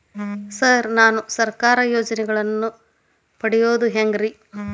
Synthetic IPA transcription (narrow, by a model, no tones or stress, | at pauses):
sɐɾnaːnusɐɾkaːɾɐjoːd͡ʒɐnɛɡɐɭɐnːu | pɐɽɛjoːd̪uɦeŋɡɾi